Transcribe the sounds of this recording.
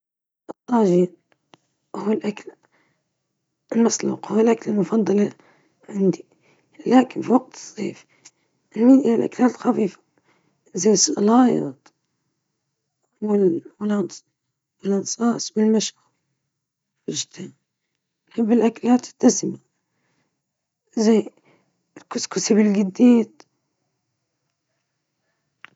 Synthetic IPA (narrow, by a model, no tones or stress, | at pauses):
ʔɨt̪ˤːɑʒiːn | huɪlʔakl | ɪlmaslṵːqhʊɪlʔaklɪlmʊfɑd̪ˤːɑlɑ | ʕɪnd̪i | laːkɪnfiwaɡ̚t̪ʰɨ̥zˤːḭːf | ʔɪnːiʔalʔa̰klaːt̪xafiːfḁ | zajsʔlɑːjɑ̰t̪ˤ | wɪlwɪlɑn | wɪlʔɑnsˤɑːsˤbɪlmaʃʕaɾ | wɪʒt̪aːm | habːɪlʔaklaːt̪ɪ̥t̪ːasɪma | zaj | lkʊskʊsibɪlɡɪd̪ːiːd̪